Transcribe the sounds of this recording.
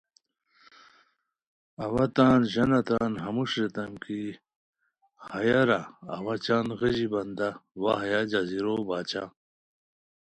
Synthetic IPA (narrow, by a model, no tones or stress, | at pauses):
ɐwɐt̪aːnʑɐnɐt̪aːnɦɐmuʂɾet̪ɐmki | hɐjaɾa̰ːwɐt͡ɕaːnɣeʑibɐnd̪awaɦɐjad͡ʑɐziɾobaːt͡ɕa̰